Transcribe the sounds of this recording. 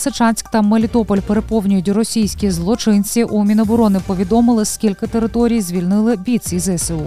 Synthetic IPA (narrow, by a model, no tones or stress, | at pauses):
set͡ʃɑnʲsʲkt̪ɐmelʲit̪ɔpɔlʲpeɾepɔwnʲʊjʊtʲrɔsʲijsʲkʲizlˠɔt͡ʃɪnʲt͡sʲiʔumʲinɔbɔɾɔnɪpɔʋʲid̪ɔmɪlˠɪskʲilʲkɪt̪eɾɪt̪ɔɾʲijzʲʋʲilʲnɪlˠɪbʲit̪ʲsʲizɛseu